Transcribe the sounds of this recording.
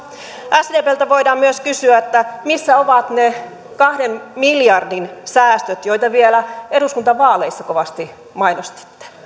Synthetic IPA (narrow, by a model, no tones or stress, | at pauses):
ʔæsdeːpeːlt̪æʋoidɑːmmyøskysyæet̪ːæmisːæoʋɑt̪ne | kɑhdemmiljɑrdinsæːst̪øt̪joit̪ɑʋielæeɾuskunt̪ɑʋɑːleisːɑkoʋɑst̪i | mɑinost̪i̥t̪ːe̥